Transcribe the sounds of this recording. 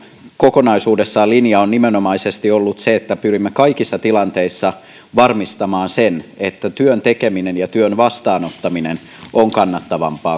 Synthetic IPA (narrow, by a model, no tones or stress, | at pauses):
kokonɑisuːdesːɑːlinjɑonnimenomɑisest̪iolːut̪seet̪ːæpyrimːekɑikisːɑt̪ilɑnt̪eisːɑ | ʋɑrmist̪ɑmɑːnsenet̪ːæt̪yønt̪ekeminenjɑt̪yønʋɑst̪ɑːnot̪ːɑminen | oŋkɑnːɑt̪ːɑʋɑ̰mpɑː